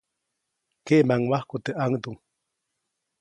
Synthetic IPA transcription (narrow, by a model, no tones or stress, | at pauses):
keʔmaŋwahkut̪eʔaŋd̪uŋ